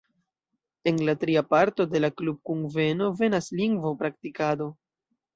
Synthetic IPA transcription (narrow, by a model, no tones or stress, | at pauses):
e̞nlatɾiapaɾto̞de̞laklub̚kuŋve̞no̞ve̞nasliŋɡvopɾaktikado̞